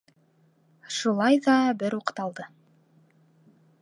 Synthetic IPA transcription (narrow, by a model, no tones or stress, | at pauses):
ʃulˠɑjðɑbɘɾuqɤ̥t̪ɑlˠd̪ɤ